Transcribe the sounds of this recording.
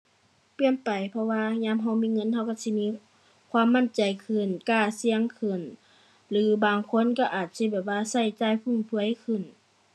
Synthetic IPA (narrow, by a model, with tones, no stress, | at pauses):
pi˧˩ənpa˨˩jpʰɔ˧waː˧ɲaː˧˥˨mɦa˧˩wmiː˧˥˨ŋɤ˧˥˨nhʰa˧˩wka˧˩si˧˨miː˧˥˨ | kʰwaː˧˥˨mːa˧˥˨nt͡ɕa˨jkʰɯ˧˩˨nkaː˧˩si˧əŋkʰɯ˧˩˨n | lɯː˨˦baː˨ŋkʰo˧˥˨nka˧˩ʔaː˨˩t̪̚si˧˥˨bɛː˨˩p̚waː˧˥sa˧˩jt͡ɕaː˧˥˨jpʰu˧˩˨ŋp̪ʰɯ˧əjkʰɯ˧˩˨n